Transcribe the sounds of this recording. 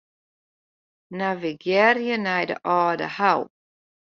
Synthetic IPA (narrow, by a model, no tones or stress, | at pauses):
naviɡjɛɾjənajdə̰ʔɔːdə̰haw